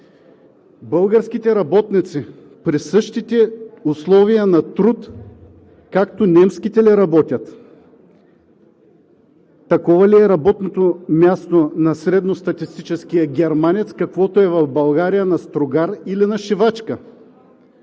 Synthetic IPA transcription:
bɤlˠɡəɾskʲit̪ɛɾɐbɔt̪nit̪si | pɾisɤʃt̪it̪ɛʊslˠɔvijənɐt̪ɾut̪ | kakt̪onʲɛmsk̟it̪ɛliɾɐbɔt̪ʲɐt̪ | ɐkɔvɐliɛɾɐbɔt̪not̪omʲjast̪onɐsɾɛd̪nost̪ɐt̪ist̪it͡ʃɛskijəɡʲɛɾmanɛt̪skɐkvɔt̪oɛvɐfbɐlˠɡaɾijənɐst̪ɾoɡaɾilinɐʃivat͡ʃkə

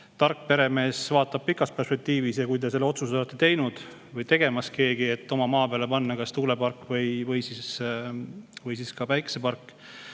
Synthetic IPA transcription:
t̪ɑrkːˑpe̞ɾe̞me̞ːsvɑːt̪ːˑɑb̥̚pikˑːɑspe̞rspe̞k̚t̪iːvisjɑkujt̪e̞se̞lːo̞t̪suselet̪ːˑet̪e̞jnud̪̥ | vɤjt̪e̞ɡ̥e̞mɑske̞ːɡie̞t̪ːo̞mɑmɑːpeɑle̞pɑnːɑkɑst̪uːle̞pɑrkːˑvɤjvɯjsis | vɤjsiskɑpæjksepɑrkːˑ

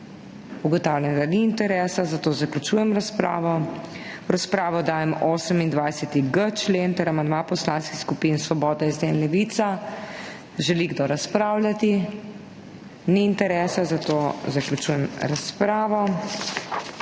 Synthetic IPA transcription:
uɡɔt̪awlʲand̪aniːnt̪ɛɾɛːsazat̪oːzaklʲut͡ʃuːjɛmɾaspɾa̰ːʋɔ | ɾaspɾaːʋɔd̪aːjɛmoːsəmind̪ʋajsɛt̪iɡət͡ʃleːnt̪ɛɾamand̪mapɔslaːnskixskupinsʋɔbɔːd̪ɛizd̪eːnlɛʋit̪sa | ʒɛliɡd̪oɾaspɾaːwlʲjat̪i | niːnt̪ɛɾɛːsazat̪ozaklʲut͡ʃujɛmɾaspɾaːʋɔ

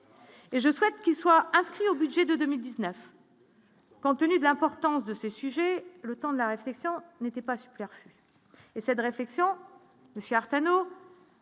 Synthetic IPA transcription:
eʒəswɛt̪̚kʲilswaɛ̃skχiobyd̪ʒɛd̪əd̪əmild̪iznœf | kɔ̃t̪ənyd̪əlɛ̃pɔʁt̪ɑ̃sd̪əsesyʒɛlət̪ɑ̃d̪əlaʁeflɛksjɔ̃net̪ɛpasy̥pɛʁfy | esɛt̪ʁeflɛksjɔ̃ | məsjøaʁt̪ano

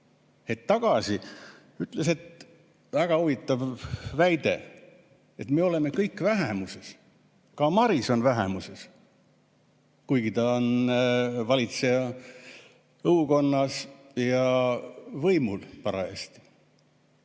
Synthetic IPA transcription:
et̪ːɑɡ̥ɑsi | yt̪ːˑlese̞t̪ | væɡ̥ɑuvit̪ːˑɑvvæjd̪e̞̰ | e̞t̪me̞o̞le̞me̞kɤjkːvæɦemuse̞s | kɑmɑɾiso̞nvæɦḛmuse̞s | kujɡ̥it̪ɑon | vɑlʲit̪se̞jɑ | ɤuko̞nːɑsjɑ | vɤjmulpɑɾɑ̰ḛːst̪i̥

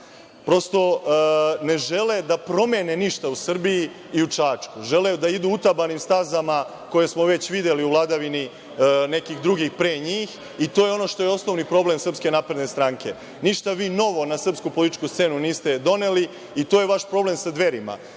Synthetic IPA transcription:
pɾo̞st̪o̞ | ne̞ʒe̞le̞d̪apɾo̞meneniʃt̪ausr̩biji | iut͡ʂaːt͡ʂkuʒeled̪aid̪uːut̪abanimst̪azama | ko̞jesmo̞ʋe̞t͡ɕʋid̪jeliuʋlˠad̪aʋini | ne̞kixd̪ɾuɡixpɾeːɲiːx | it̪o̞ːjeo̞no̞ʃt̪o̞jeo̞sno̞ʋnipɾo̞ble̞msr̩pske̞naːpɾed̪nest̪ɾaːŋkʰe̞̰ | niʃt̪aʋiːno̞ʋo̞nasr̩pskupolit̪i̥t͡ʃkust̪se̞ːnuniːst̪e̞d̪o̞ne̞liː | t̪ojeʋaʃpɾo̞ble̞msad̪ʋe̞ɾima̰

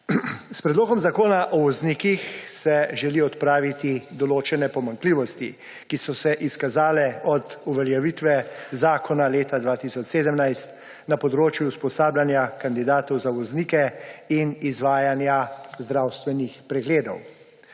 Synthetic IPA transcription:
spɾɛd̪loːɡɔmzakoːnaʔɔʋɔzniːkixsɛʒɛliɔt̪pɾaːʋit̪id̪ɔloːt͡ʃɛnɛpɔmaŋkliːʋɔst̪ḭ | kisɔsɛʔiskazaːlɛɔd̪uʋɛljaʋiːt̪ʋɛzaːkɔnaleːt̪ad̪ʋaːt̪isɔt͡ʃseːd̪əmnajst̪ | napɔd̪ɾoːt͡ʃjuːspɔsaːbljanjakand̪id̪aːt̪ɔwzaʋɔzniːkɛinizʋaːjanjazd̪ɾawst̪ʋɛnixpɾɛɡleːd̪ɔw

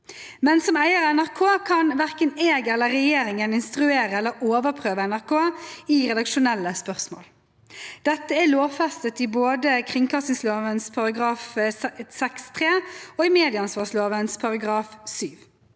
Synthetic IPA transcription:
mɛnsɔmæɪəɾɛnæʁkʰoːkʰɑnʋæʁkəneːɡɛləːɛjeːɾɪŋənɪnst̪ʁʉeːɾəɛlːəɾoːʋəʁpʰʁøːʋəɛnæʁkʰoːiːʁɛd̪ɑkʃʊnɛlːəspœʁsmo̰ːl | d̪̥ɛt̪ːəæloːfɛst̪ət̪iboːd̪əkʰʁɪŋkʰɑst̪ɪŋsloːʋənspʰɑʁɑɡʁɑːfsɛkst̪ʰʁeːɔːɪmeːd̪ɪəɑnsʋɑːsloːʋənspʰɑʁɑɡʁɑːfsyːʋ

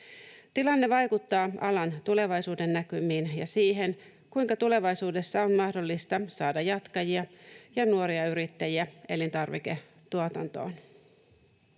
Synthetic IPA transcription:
t̪ilɑnːe̞ʋɑjkut̪ːɑːɑ̰lɑnt̪ule̞ʋɑjsuːde̞nːækymiːnjɑ̰siːɦe̞n | kujŋkɑt̪ule̞ʋɑjsuːde̞sːɑo̞nmɑhdo̞lːist̪ɑsɑːdɑjɑt̪kɑjiɑjɑnuo̞ɾiɑyɾit̪ːæjiæe̞lint̪ɑrʋike̞ | t̪ːuot̪ɑ̰nt̪o̞̰ːn

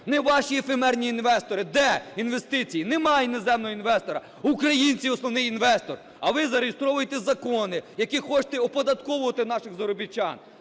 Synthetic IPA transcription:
nɛʋɑʃiɛfemɛrnʲiːnʋɛst̪ɔɾɪd̪ɛinʋe̞st̪ɪt͡sʲijinemɑjnezɛmnɔɦɔinʋɛst̪ɔɾɐ | ukɾɐjinʲt͡sʲiɔsnɔʋnɪjinʋɛst̪ɔr | ɐʋɪzɐɾejest̪ɾɔʋʊjet̪ɛzɐkɔnɪjɐkʲixɔt͡ʃt̪ɛɔpɔd̪ɐt̪kɔʋʊʋɐt̪ɪn̪ɑʃɪɣzɐɾɔbʲit͡ʃːɑ̰n

